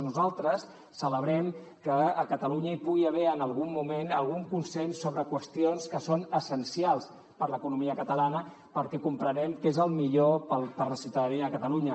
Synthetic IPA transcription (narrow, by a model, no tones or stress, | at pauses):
nuzalˠt̪ɾəsː | ələβɾɛm | kəəkət̪əluɲəipuɣiəβɛənəlˠɣumːumenəlˠɣuŋkunsensːoβɾəkwəst̪ionskəsonəsənsialˠs | pəɾləkunumiəkət̪əlanə | pəɾkɛkumpɾənɛmkezəlˠmiʎopəlpəɾləsiwt̪əðəniəkət̪əluɲə